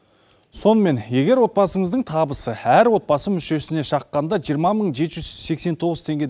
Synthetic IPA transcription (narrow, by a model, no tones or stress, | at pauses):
so̞nəme̞nje̞ɡʲe̞ɾwo̞t̪bɑsəɴəzd̪əɴt̪ʰɑbəsəæɾwo̞t̪̚bɑsəmʏʃe̞sɪne̞ʃɑqːɑnd̪ɑʒijəɾmɑməɴʒe̞t̪ʒʏz̥se̞kse̞nt̪ʰo̞ʁəzt̪ʰe̞ŋɡʲe̞d̪